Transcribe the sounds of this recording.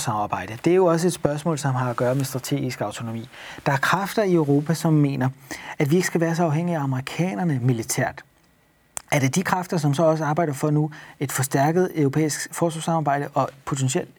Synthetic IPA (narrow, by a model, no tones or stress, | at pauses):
sɑmɑ̈ːb̥ɑ̈ɪ̰d̥əd̥e̝æɐjo̝ɒ̽s̬əe̝d̥sb̥ɶɐsmɔ̰ːlsɒ̽mɦɑ̈æɡ̥ɶːɐmesd̥ʁɑ̈t͡sʰe̝̰ːɡ̥isɡ̥ɑ̈ʊt͡sʰo̝no̝mḭːd̥ɑ̈æɐkʰʁafd̥ɐiøʊʁo̝ːpʰæsɒ̽mːe̝̰ːnɐæd̥ʋie̝ɡ̥ə̥sɡ̥æʋæːɐsɒ̽ɑ̈ʊɦeŋ̰iæɑ̈məʁikʰɛ̰ːnɐnəmilit͡sʰæ̰ɐ̰d̥ | æɐd̥e̝d̥ikʰʁafd̥ɐs̬ɒ̽msɒ̽ɒ̽s̬əɑ̈ːb̥ɑ̈ɪ̥ɐfɒ̽nue̝d̥fɒ̽sd̥æɐɡ̥əð̞̩ˠøʊʁo̝pʰḛːisɡ̥fɒːsʋɑsɑ̈mɑ̈ːb̥ɑ̈ɪ̰d̥əʔɒ̽pʰo̝t͡sʰenɕiel̰d̥